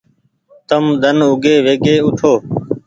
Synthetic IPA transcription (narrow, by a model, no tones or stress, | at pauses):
t̪əmd̪ʱənʊɡeːʋeːɡeːʊʈʰoː